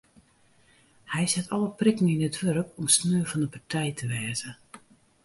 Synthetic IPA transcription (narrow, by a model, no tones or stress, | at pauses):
hɛjsɛtʰɔləprɪkn̩inətʋørkɔmsnøːfɔndəpartʰɛjtʰəʋɛːzə